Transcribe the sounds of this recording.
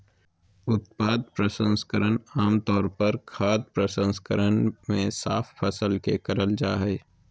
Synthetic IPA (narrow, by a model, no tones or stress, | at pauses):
ʊt̪̚paːd̪̚pɾəsə̃nskəɾənaːmt̪ɔːɾpɐɾkʰaːd̪̚pɾəsə̃nskəɾənmẽsa̰ːfʰfɐsəlkekɐɾəld͡ʒaːɦɛː